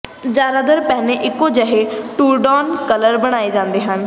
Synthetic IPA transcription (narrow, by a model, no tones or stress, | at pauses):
d͡ʒaːɾaːd̪əɾpɛːneʔɪkːõːd͡ʒəɦeːʈuːɾɖɔːnkələɾbəɽ̃aːeːd͡ʒãːnd̪eːɦən